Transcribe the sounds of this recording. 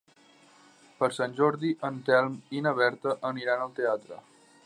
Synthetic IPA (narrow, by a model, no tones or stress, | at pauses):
pəɾsanʲʒɔɾðiʔənt̪ɛlˠminəβ̞ɛɾt̪əʔəniɾanəlˠt̪eat̪ɾə̰